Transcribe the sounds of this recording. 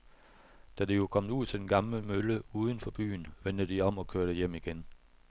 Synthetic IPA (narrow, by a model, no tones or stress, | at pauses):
d̥æd̥ejo̝kʰɒ̽m̰d̥uð̰ˠt͡sʰe̝denɡ̥ɑ̈mləmøləuːð̞ˠən̩fɒ̽b̥y̰ːnʋen̰d̥əd̥iɒ̽mɒ̽kʰøɐɾ̥ejem̰iɡ̥en